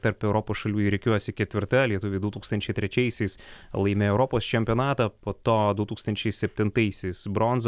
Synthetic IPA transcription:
t̪ɐɾpɛʊɾɔpoːsʃɐlʲuːiɾʲɛɪkʲuɔsʲɪkʲɛt̪ʲʋʲɪɾt̪ɐlʲiɛt̪ʊʋʲeɪd̪ut̪uːkst̪ɐnʲt͡ʃʲɛɪt̪ʲɾʲɛt͡ʃʲɛɪsʲɛɪslˠɐɪmʲɛɛʊɾɔpoːst͡ʃʲɛmʲpʲioːnɑːt̪ɐpoːt̪oːd̪ʊt̪uːkst̪ɐnʲt͡ʃʲɛɪsʲɛpʲt̪ʲɪnt̪ɐɪsʲɛɪsbɾonz

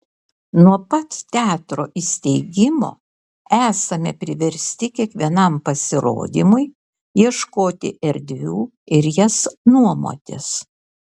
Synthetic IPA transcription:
nuɔpɐt̪t̪ʲæːt̪ɾoːʔisʲt̪ʲɛɪɡʲɪmo̰ː | æːsɐmʲɛ̰pʲɾʲɪʋʲɛɾʲsʲt̪ʲɪkʲiɛkʋʲiɛnɐmpɐsʲɪɾo̰ːd̪ʲiːmʊɪ | jiɛʃkoːt̪ʲɪ̰ʔɛɾʲd̪ʲʋʲuː | ɪɾjɛsnuɔmo̰ːt̪ʲɪ̰s

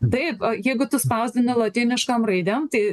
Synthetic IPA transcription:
t̪ɐɪpɐjɛɪɡʊt̪ʊspɐʊzʲd̪ʲɪnʲɪlˠɐt̪ʲɪnʲɪʃkɐmrɐɪd̪ʲɛmt̪ɐɪ

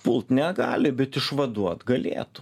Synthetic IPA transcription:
pʊlˠt̪nʲɛɡɑːlʲɪbʲɛt̪ɪʃʋɐd̪uɔt̪ɡɐlʲḛːt̪ʊ̥

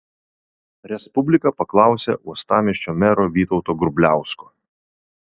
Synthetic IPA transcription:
ɾʲɛspʊbʲlʲɪkɐpɐklˠɑˑʊsʲḛʔuɔst̪ɑːmʲɛʃʲt͡ʃʲoːmʲɛɾoːʋʲiːt̪ɔʊt̪oːɡɾʊbʲlʲæˑʊskoː

